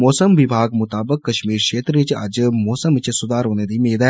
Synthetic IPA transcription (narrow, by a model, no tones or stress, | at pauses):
mɔːsəmʋɪbʱaːɡmʊt̪aːbəkːɐʃmiːɾkʃeːt̪ɾəʋɪt͡ʃɐ̰d͡ʒmɔːsəmɪt͡ʃsʊd̪aːɾɦoːned̪iːmeːd̪ɛː